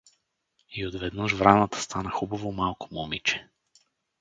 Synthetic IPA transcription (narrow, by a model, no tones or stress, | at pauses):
iod̪vɛd̪nəʃvɾanat̪ə̥st̪ʰanaxubavomalˠkʊ̥mɔmit͡ʃɛ̥